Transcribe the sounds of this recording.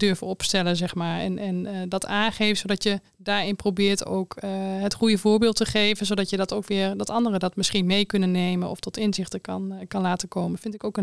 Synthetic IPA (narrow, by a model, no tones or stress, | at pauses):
d̥øɹvənɔpstɛləzɛχmaːɹɛ̰nʔɛndɑtʰaːnχejftsodɑtjə | daːɹɪnprobɪːɹto̰wkɦətχujəvʊːɹbɪːlˠtəχejvənzodɑtjədɑtowkʋɪːɹdɑtɑndərədɑtmɪsχinmejkɵnənːejmənɔ̰ftɔtɪnzɪxtəkɑnkɑnlaːtənkoːmənfɪntɪkowkən